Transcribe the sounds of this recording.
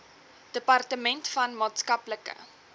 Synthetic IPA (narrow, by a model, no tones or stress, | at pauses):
d̥əpɐrtəmɛntfɐnmɑːtskɐpləkə̰